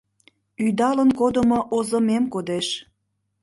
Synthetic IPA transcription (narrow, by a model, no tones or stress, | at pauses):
yd̪ɑlənkod̪əmoʔozəmemkod̪eʃ